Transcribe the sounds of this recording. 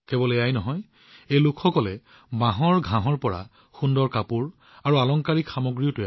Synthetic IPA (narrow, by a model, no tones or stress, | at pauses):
kebɔleajnɔɦɔj | ejlʊkʰxɔkɔlɛ | bãɦɔɹɡʱãɦɔɹpɔɹa̰ | xundɔɹkapuɹ | aɹualɔŋkaɹikxamoɡɹiʊtʊja